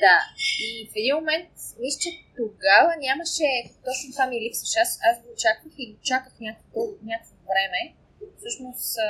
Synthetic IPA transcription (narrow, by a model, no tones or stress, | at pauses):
d̪aifɛd̪inmomɛnt̪̚mislə̥t͡ʃɛt̪oɡavənʲaməʃɛɛt̪ot̪ɔsəmt̪amilipsəʃasazɡot͡ʃakvəxiɡot͡ʃakəxnʲakkonʲakəkovɾɛmɛ | fsɤʃnost̪